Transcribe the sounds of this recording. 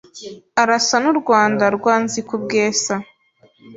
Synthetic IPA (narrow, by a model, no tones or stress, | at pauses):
aɾasanuɾɡwaːndaɾɡwaːnzikubɡeːsa